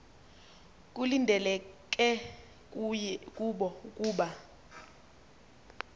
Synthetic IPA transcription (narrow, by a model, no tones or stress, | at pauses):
k̬ʼulindʱɛlɛk̬ʼɛ | kʼuɓɔkʼuːɓa